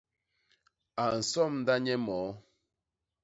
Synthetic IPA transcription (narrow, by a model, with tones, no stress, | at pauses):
a˨n̩˨sɔ˦˨mn̩˦da˦ɲɛ˦mɔ˨˦